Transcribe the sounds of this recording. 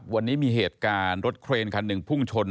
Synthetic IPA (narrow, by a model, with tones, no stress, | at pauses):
p̚wa˧nːiː˦˥miː˧ɦeː˨˩t̪̚kaː˧nɾo˦˥t̪̚kʰɾeː˧nkʰa˧nːɯ˨˩ŋpʰu˥˩ŋt͡ɕʰo˧n